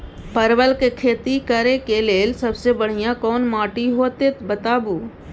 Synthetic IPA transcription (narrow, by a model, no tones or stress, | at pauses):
pəɾʋəlkekʰeːt̪ikəɾekeleːlsəbsebəɽ̤ijãkɔːnmaːʈiɦoːt̪et̪bət̪aːbuː